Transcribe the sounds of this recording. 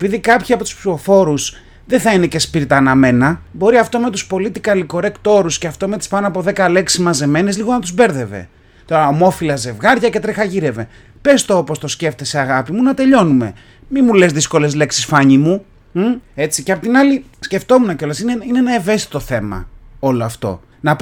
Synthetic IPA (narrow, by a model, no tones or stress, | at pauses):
epiðikɐpçiɐpo̞t̪u̥spsio̞fo̞ɾus | ðeθɐine̞ce̞spiɾit̪ɐnɐme̞nɐbo̞ɾiɐft̪o̞me̞t̪uspo̞lit̪ikɐliko̞ɾe̞kt̪o̞ɾusceɐft̪o̞me̞t̪i̥spɐnoɐpo̞ðe̞kɐle̞ksizmɐze̞me̞nezliɣoɐnt̪uzbe̞ɾðe̞ve̞̰ | t̪o̞ɾɐomo̞filɐze̞vɣɐɾʝɐce̞t̪ɾexɐʝiɾe̞ve̞ | pe̞st̪oopo̞st̪o̞sce̞ft̪eseɐɣɐpimunɐt̪e̞ʎo̞nume̞ | mimulezðisko̞le̞zle̞ksi̥sfɐɲimu | e̞t͡siceɐpot̪inɐlisce̞ft̪o̞munɐceo̞lɐsineineenɐeve̞st̪i̥t̪o̞θe̞mɐ̰o̞loɐft̪o̞̰ | nɐp